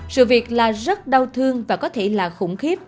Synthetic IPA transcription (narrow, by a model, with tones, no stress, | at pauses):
sɨ̰˧˨vi˨˩ək̚laː˨˩zə˦˥t̚ɗə˧wt̪ʰɨ˧əŋvaː˨˩kɔ˨˦t̪ʰe˧˩laː˨˩xʊ̰˧˩ŋ͡mxi˦˥əp̚